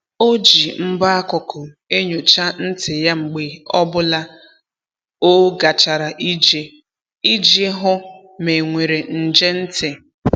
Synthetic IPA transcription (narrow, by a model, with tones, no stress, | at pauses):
o˦d͡ʒi˨m̩˦ba˦a˦kʊ˨kʊ˨ | e˦ɲo˨t͡ʃa˦n̩˦tɪ˨ja˦ŋ͡m̩˨ɡ͡be˨ɔ˦bʊ˦la˦ | o˦ɡa˨t͡ʃa˨ɾa˨ʔi˦d͡ʒe˨ | i˦d͡ʒe˦ɦʊ˦ | me˨ŋʷe˨ɾe˨n̩˨d͡ʒe˦n̩˦tɪ˨